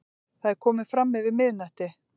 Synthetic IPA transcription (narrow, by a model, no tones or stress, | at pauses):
θaðɛɾ̥kʰɔːmɪfɾamːɛvɪðmɪðnɛht̪ɪ